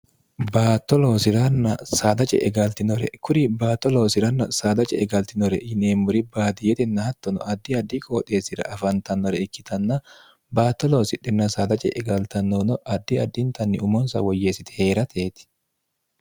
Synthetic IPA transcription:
baːt̪ːɔlo̞ːsɪɾɐnːɐsaːd̪ɐt͡ʃʼɛ̰ʔɛɡɐlt̪ɪnɔɾɛ̰kʰʊɾibaːt̪ːɔlo̞ːsɪɾɐnːɐsaːd̪ɐt͡ʃʼɛɛɡɐlt̪ɪnɔɾɛɪneːmːʊɾɪbaːd̪ɪjɛt̪ɪnːɐhɐt̪ːɔnɔ̰ʔɐd̪ːiɐd̪ːikʼoːt̪ʼːeːsɪɾɐ̰ʔɐfɐnt̪ɐnːɔɾɛɪkːɪt̪ɐnːɐ | baːt̪ːɔloːsɪᶑɪnːɐsaːd̪ɐt͡ʃʼɛ̰ʔɛɡɐlt̪ɐnːɔnɔʔɐd̪ːiɐd̪ːɪnt̪ɐnːɪʊmɔnsɐ̰wɔjːeːsɪt̪ɪ̥he̞ːɾɐt̪ʰeːt̪ɪ̥

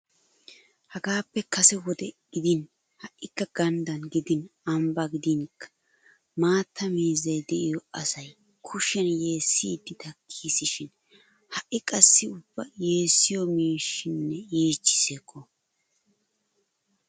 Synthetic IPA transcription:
hɐɡaːpːɛkɐsɛwɔd̪ɛɡɪd̪ɪn | hɐʔːɪkːɐɡ̥ɐnd̪ɐnɡɪd̪ɪnɐmbɐɡɪd̪ɪŋkːɐ̥ | maːt̪ʰːɐmiːzɐjd̪ɛʔɪjɔɐsɐj | kʰʊʃɛnje̞ːsːɪd̪ːɪt̪ɐkʰːiːsɪʃɪn | hɐʔɪkʼɐsːɪʊbːɐje̞ːsːɪjɔmiːʃːɪnːɛiːt͡ʃːɪ̥seːkːɔ

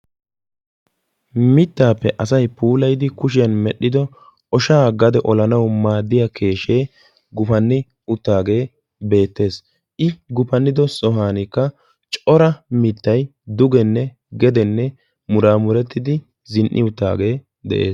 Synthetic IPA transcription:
mɪt̪ːaːpːɛʔɐsɐjpuːlɐjd̪ɪkʊʃ̬ɪjɐnmɛɗːɪd̪ɔ | ʔɔʃaːɡɐd̪ɛʔɔlɐnɐwmaːd̪ːɪjɐkʰe̞ːʃeː | ɡʊfɐnːɪ | ʊt̪ːaːɡe̞ː | be̞ːt̪ːe̞ːs | ʔɪɡʊpɐnːɪd̪ɔsɔɦaːnɪkːɐ | t͡ʃʼɔɾɐmɪt̪ːɐjd̪ʊɡɛnːɛ | ɡɛd̪ɛnːɛ | mʊɾaːmʊɾɛt̪ːɪd̪ɪ | zɪnʔɪ̰ʊt̪ːa̰ːɡe̞ː | d̪ɛ̰ʔe̞̰ːs

